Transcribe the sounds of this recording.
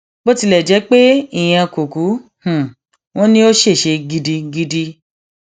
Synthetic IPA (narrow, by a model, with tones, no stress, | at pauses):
bo˦ti˧lɛ˨d͡ʒɛ˨˦k͡pe˦i˦˨j̃ã˧ko˨ku˨˦h̩˨ | w̃ɔ̃˦nĩ˦o˦ʃe˦˨ʃe˧ɡi˧di˧ɡi˧di˧